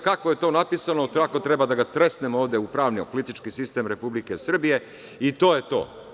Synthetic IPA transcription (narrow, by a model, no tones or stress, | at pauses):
kakoje̞t̪o̞ːnapisanot̪ako̞t̪ɾe̞bad̪aɡat̪ɾe̞st̪nemo̞ːʋd̪jeupɾaːʋniopolit̪it͡ʃkisist̪e̞mɾe̞publikesr̩bije̞ | it̪o̞ːjet̪o̞̰ː